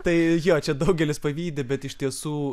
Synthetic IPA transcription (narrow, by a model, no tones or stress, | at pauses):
t̪ɐɪjoːt͡ʃʲɛd̪ɐʊɡʲɛlʲɪspɐʋʲiːd̪ʲebʲɛt̪ɪʃʲt̪ʲiɛsuː